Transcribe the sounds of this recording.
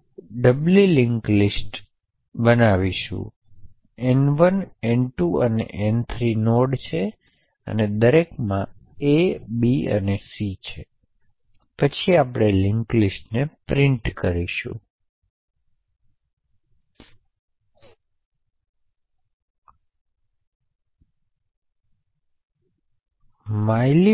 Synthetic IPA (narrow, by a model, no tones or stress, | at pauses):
ɖəbljulɪŋklisʈ | bənaʋiʃṵ̃ | ɛnʋənɛnʈuənḛʔɛnt̪ʰɾinoɽt͡ʃʰe | ə̰ned̪əɾekmãebiə̰nesit͡ʃʰe | pət͡ʃʰiapɽ̃elɪŋklisʈnepɾɪɳʈkəɾiʃṵ̃ | majli